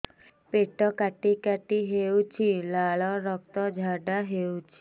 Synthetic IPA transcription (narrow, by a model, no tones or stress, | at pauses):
peʈɔkaʈikaʈiɦewt͡ʃʰilaɭɔɾɔk̚t̪ɔd͡ʒʱaɖaɦewt͡ʃʰi̥